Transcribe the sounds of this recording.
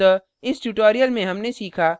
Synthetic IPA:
ə | ɪsʈuʈoːɾijəlmẽɦɐmnesiːkʰaː

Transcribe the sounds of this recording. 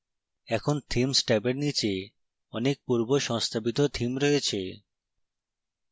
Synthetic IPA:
ɛkʰont̪ʰimsʈɛbeɾnit͡ɕe | ɔnek̚puɾboʃɔŋst̪ʰabit̪ot̪ʰimɾɔet͡ɕʰe

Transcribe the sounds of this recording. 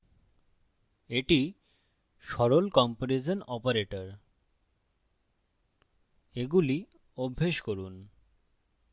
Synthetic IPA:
eʈi | ʃɔɾolkɔmpoɾed͡ʑonɔpaɾeʈoɾ | eɡuli | obʱːeʃkoɾun

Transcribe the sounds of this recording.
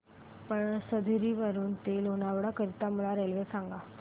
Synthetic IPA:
pəɳsəd̪ʱɾiʋəɾuːnt̪elonaʋɽakəɾit̪aməlaɾelʋesaŋɡa

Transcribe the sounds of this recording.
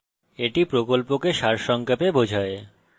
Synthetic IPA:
eʈipɾokolpokeʃaɾʃɔŋkʰapebod͡ʑʱae

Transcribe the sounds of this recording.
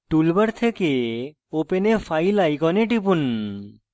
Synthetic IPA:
ʈulbəɾt̪ʰeke | openefʰajlajkɔneʈipun

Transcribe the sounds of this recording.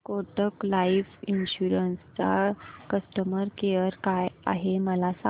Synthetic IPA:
koʈəklaifinɕuɾənst͡sa̰kəsʈəməɾkeəɾkaja̰ɦeməlasa

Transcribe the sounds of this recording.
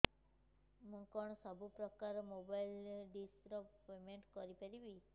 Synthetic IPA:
mũkɔɳ̃sɔbʱupɾɔkaɾmobajlɖisɾɔpːemeɳʈkɔɾipəɾibi

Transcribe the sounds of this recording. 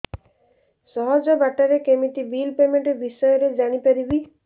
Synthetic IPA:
sɔɦɔd͡ʒɔbaʈaɾekemiʈibilpemeɳʈbisɔjɔɾed͡ʒaɽ̃ipaɾibi

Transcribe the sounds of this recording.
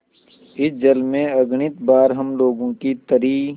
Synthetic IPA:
ɪsd͡ʒəlmẽɐɡɳɪt̪baːɾɦɐmloːɡõkit̪ɐɾiː

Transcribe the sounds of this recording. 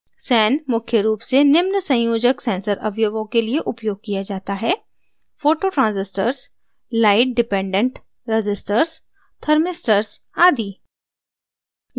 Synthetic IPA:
sɛːnmʊkʰjəɾuːpsenɪmnəsɐ̃joːd͡ʒəksɛ̃ːnsəɾɐ̰ʋjoːɡõkelieʔʊpjoːɡ̚kijad͡ʒaːt̪aɦɛː | foːʈoʈɾãːnzɪsʈəɾs | laːɪʈ̚ɖɪpẽːɳɖə̃ɳʈ | ɾɪd͡ʒɪsʈəɾs | t̪ʰɐɾmɪsʈəɾs | aːd̪iː

